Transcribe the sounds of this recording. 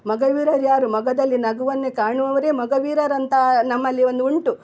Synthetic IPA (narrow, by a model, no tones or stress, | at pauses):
mɐɡɐʋiːɾɐɾjaːɾumɐɡɐd̪ɐlːinɐɡuʋɐnːekaːɳuɐʋɐɾe̞ːmɐɡɐʋiːɾɐɾɐnt̪ɐnɐmːɐlːio̞nd̪uuɳʈu